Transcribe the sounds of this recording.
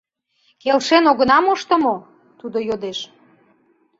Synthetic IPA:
kelʃenoɣənɑmoʃt̪ə̆mo | t̪ud̪ojod̪eʃ

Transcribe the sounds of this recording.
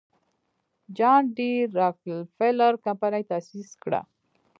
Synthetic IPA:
d͡ʒɑɳɖiɾaklfelaɾkampanajt̪asiskɽa̰

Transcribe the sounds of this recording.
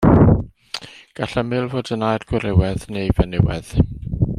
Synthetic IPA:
ɡ̥aɬəmɨlˠvoːdənajrɡ̥wɪɾɪwɛðnejvɛnɪwɛ̰ð̥

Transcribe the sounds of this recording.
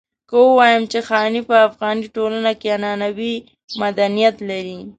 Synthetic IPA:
kəwəwɑjəmt͡ʃexɑnipəafɣɑniʈolanakeanɑnawi | mad̪anijat̪laɾi

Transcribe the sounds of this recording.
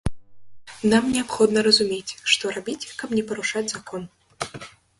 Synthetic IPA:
namnʲɛapxɔd̪nɐɾɐzumʲet͡sʲʂt̪ɔɾabʲit͡sʲkɐpnʲɛpɐɾuʂad͡zʲzakɔn

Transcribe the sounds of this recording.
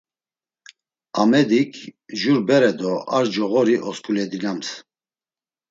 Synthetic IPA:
amɛd̪ikʰʒuɾbɛɾɛd̪ɔaɾd͡ʒɔɣɔɾiʔɔskʼulɛd̪inams

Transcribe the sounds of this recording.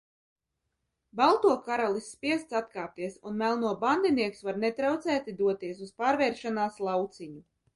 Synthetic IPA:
balˠt̪uɔkaɾalˠisːpʲiɛst̪sat̪kaːp̚t̪iɛsunmælˠnuɔband̪iniɛksvaɾnɛt̪ɾawt̪sæːt̪id̪uɔt̪iɛs̬uspaːɾvɛːɾʃanaːslˠawt̪siɲu

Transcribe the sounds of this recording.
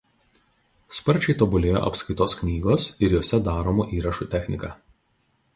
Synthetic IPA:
spɐɾʲt͡ʃʲɛɪt̪oːbʊlʲeːjo̰ːʔɐ̰pskɐɪt̪oːsknʲiːɡoːsɪɾjoːsʲɛd̪ɑːɾoːmuːʔiːɾɐʃuːt̪ʲɛxʲnʲɪkɑː

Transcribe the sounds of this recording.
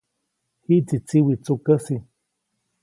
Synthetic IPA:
hit͡sit͡siwit͡sukəsi

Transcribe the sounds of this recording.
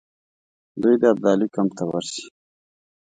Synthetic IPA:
d̪ujd̪eab̚d̪ɑlikamt̪awaɾsi̥

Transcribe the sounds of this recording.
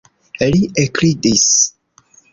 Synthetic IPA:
eliʔekɾidis

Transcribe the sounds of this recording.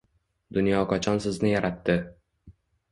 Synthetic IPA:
d̪ʊnjɒqʰɒt͡ʃʰɒnsɪznɪjaɾat̪ːɪ

